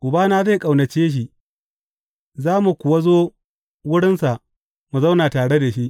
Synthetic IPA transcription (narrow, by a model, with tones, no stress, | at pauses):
ʔʊ˨baː˦naː˦za˦jkʼa˨wnɐ˨t͡ʃeː˦ʃ̬i˨ | zaː˦mu˨kʷʊ˨wa˦zoː˦ | wʊ˦ɽɪ˦nsa˨ʔ | mu˨za˦wnaː˨taː˨ɽe˦da˨ʃi˦ʔ